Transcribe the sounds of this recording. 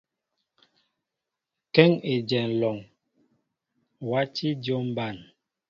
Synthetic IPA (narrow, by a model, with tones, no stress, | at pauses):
kɛ˦ŋe˨d͡ʒɛ˨n˨lɔ˨ŋ | wa˦t͡ʃi˦djo˦m˦ba˦˨n